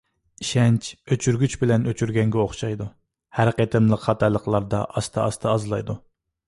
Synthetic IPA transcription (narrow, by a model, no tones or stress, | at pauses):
iʃɛnt͡ʃøt͡ʃʰyɾɡʲyt͡ʃbɪlɛnøt͡ʃʰyɾɡʲɛŋɡʲɛoχʃɑjd̪u | hæɾqet̪ʰɨmlˠəqχɑt̪ʰɛlˠəqlˠɑɾd̪ɑ̰ʔɑst̪ʰɑɑst̪ʰɑːzlˠɑjd̪u